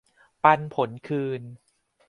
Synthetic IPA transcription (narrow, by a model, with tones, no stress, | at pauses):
pa˧npʰo˩˦nkʰɯː˧n